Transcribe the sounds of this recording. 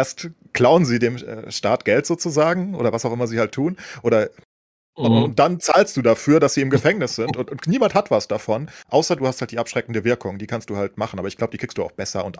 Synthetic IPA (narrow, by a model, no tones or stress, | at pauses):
ʔeːɐst | kl̥aʊənziːdeːmɛ̰ʃtaːt̚ɡ̥ɛltz̥oːt͡suzaːɡŋ̩ʔoːɾɐvasaʊxʔɪmɐziːhaltʰːuːnʔoːɾɐ | ʊnt̚d̥ant͡saːlst̚d̥uːdafyːɐdasz̥iːɪmɡəfɛŋnɪsz̥ɪntʊntʊntniːmanthatv̥asd̥afɔnʔaʊsɐduːhasthalt̚d̥iːʔapʃʁ̥ɛkn̩dəvɪɐkʰʊŋdiːkʰanstd̥uːhalt̚maχn̩ʔaːbɐɪçɡ̥laʊbədiːkʁ̥ikstd̥uːaʊxb̥ɛsɐʊnt